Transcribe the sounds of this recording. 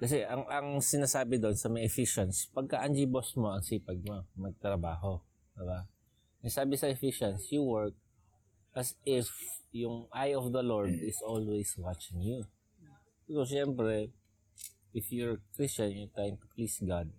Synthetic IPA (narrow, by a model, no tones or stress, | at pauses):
kɐs̬ɛʔɐŋʔɐŋsɪnaːsaːbɪd̪o̞nsɐmɐjɛfiʃɐnspɐɡ̚kaʔɐnd͡ʒibosmo̞ɐŋsiːpɐɡ̚momɐɡ̚t̪ɾɐbaːɦo̞ | d̪̥ɪba | nɐɡsaːbɪsɐʔɛfɪʃɐnsjuwɛɹk̚ | ʔɐsɪfjʊŋʔajɔfd̪ɐloɹd̪ɪsʔolwejswat͡ʃɪŋju | pɛɾoʃɛmpɾɛ | ʔɪfjɔɹkɹist͡ʃɐnjʊt̪ajmt̪ʊplisɡad̪̚